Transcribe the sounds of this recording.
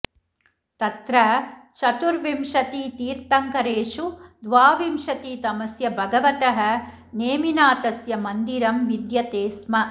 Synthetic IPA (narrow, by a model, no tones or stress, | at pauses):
t̪ɐt̪ɾɐt͡ʃɐt̪uɾʋimʃɐt̪iːt̪iːɾt̪ɐŋkɐɾeːʂud̪ʋaːʋimʃɐt̪iːt̪ɐmɐsjɐbʱɐɡɐʋɐt̪ɐɦɐ̆ | neːminaːt̪ɐsjɐmɐnd̪iɾɐmʋid̪jɐt̪eːsmɐ